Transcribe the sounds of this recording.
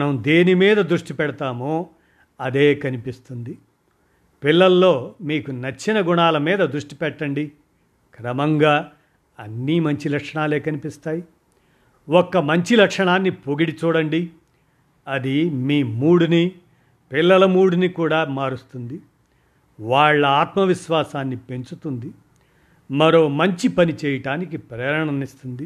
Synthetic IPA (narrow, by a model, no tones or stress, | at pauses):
ɐnɐmd̪eːnimiːd̪ɐd̪ɾuʂʈipɛɽɐt̪aːmoː | ɐd̪e̞ːkɐnipist̪und̪i | pilːɐlːo̞ːmiːkunɐt͡ʃːinɐɡuɳaːlɐmiːd̪ɐd̪ɾuʂʈi̥pɛʈːɐɳɖi | kɾɐmɐŋɡaː | ɐnːimɐɲt͡ʃilɐkʂɐɳaːle̞ːkɐnipist̪aːji | wɔkːɐmɐɲt͡ʃilɐkʂɐɳaːnːipoɡiɽit͡ʃuːɽɐɳɖi | ɐd̪imiːmuːɽuni | pilːɐlɐmuːɽunikuːɽaːmaːɾust̪und̪i | ʋaːɭːɐaːt̪mɐʋiʃʋaːsaːnːipe̞ɲt͡ʃut̪und̪i | mɐɾo̞ːmɐɲt͡ʃipɐnit͡ʃɛːjɐʈaːnikipɾɛːɾɐɳɐnist̪und̪i